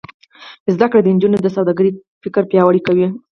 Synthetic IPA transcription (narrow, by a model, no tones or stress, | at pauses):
əzd̪akɽed̪ənd͡ʒunod̪əsawd̪aɡəɾi | fɪkəɾpjɑwaɽikawi